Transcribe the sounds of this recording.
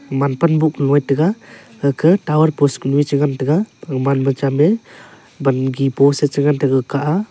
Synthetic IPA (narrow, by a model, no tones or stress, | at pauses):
manpanbuk̚nɔjtɯɡa | ɯkʰɯtawaɾpɔsknuit͡ʃɯŋantɯɡamanbɯt͡ʃame | banɡipɔset͡ʃɯŋantɯɡakʰaʔa